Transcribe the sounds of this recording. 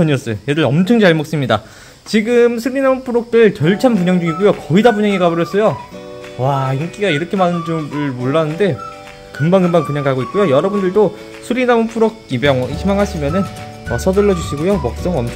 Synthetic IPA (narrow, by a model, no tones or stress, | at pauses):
ʌɲiʌs͈ɯjojedɯɾʌmt͡ɕʰʌŋd͡ʑaɭmok̚s͈ɯmɲida̰ | t͡ɕiɡɯmsʰuɾinamɯnpʰuɾok̚t͈ɯɭkjʌɭt͡ɕʰampuɲaŋd͡ʑuŋiɡujokʌidabuɲaŋiɡaboɾjʌs͈ʌjowaiŋk͈iɡaiɾʌkʰe̞manɯnd͡ʑoɯɭmoɭːanɯnde̞ | kɯmbaŋɡɯmbaŋkɯɲaŋkʰaɡoit̚k͈ujojʌɾʌbundɯɭdo | sʰuɾinamɯnpʰuɾok̚ibʌŋʰimaŋɦaɕʰimjʌnɯn | ʌsʰʌdɯɭːʌd͡ʑuɕʰiɡojomʌk̚s͈ʌŋɯʌmt͡ɕʰ